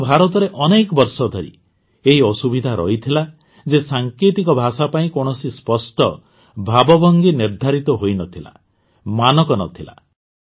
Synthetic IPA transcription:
bʱaɾɔt̪̬ɔɾeʔɔnekɔbɔɾsɔd̪ʱɔɾḭ | eɦiɔsubid̪ʱaɾɔ̰ɦit̪ʰila | d͡ʒesaŋkit̪ikɔbʱasapaĩkoɳ̃ɔsispɔsʈɔ | bʱabɔbɔŋɡiniɾd̪ʱaɾit̪ɔɦojnɔt̪ʰila̰ | manɔkɔnɔ̰t̪ʰila̰

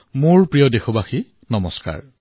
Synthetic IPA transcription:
mʊɹpɹijɔdexobaxi | nɔmɔska̰ɹ

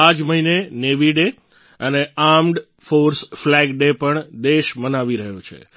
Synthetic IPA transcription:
ad͡ʒməɦineneʋiɖe | əneamɖ | foɾsflɛɡɖepəɳd̪eʃmənaʋiɾəɦũt͡ʃʰḛ

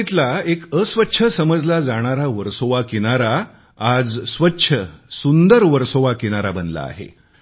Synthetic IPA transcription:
it̪laekəsʋətːɕʰəsəməd͡zlad͡zaɽ̃aɾaʋəɾsoʋakiɽ̃aɾa | ad͡zsʋətːɕʰəsund̪əɾʋəɾsoʋakiɽ̃aɾabənla̰ːɦḛ

